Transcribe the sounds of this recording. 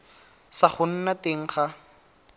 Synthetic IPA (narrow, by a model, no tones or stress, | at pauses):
saχʊn̩nateŋ̩χa